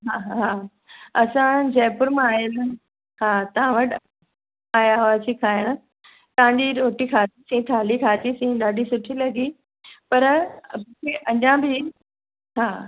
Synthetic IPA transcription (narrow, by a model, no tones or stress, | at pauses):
ɦaːɦɦaː | ɐsãd͡ʑɛːpʊɾmãaːɦən | haːt̪ɐɦãʋɐʈʰ | aːjaʋaːt͡ɕʰikʰaːjəɽ̃̆ | t̪ɐ̃ɦãɲd͡ʑiɾoːʈikʰaːt̪isĩt̪ʰaːlikʰaːt̪isĩːɗaːɖisʊʈʰilɐɡi | pɐɾmukʰeʔɐɲãbʱi | ɦaː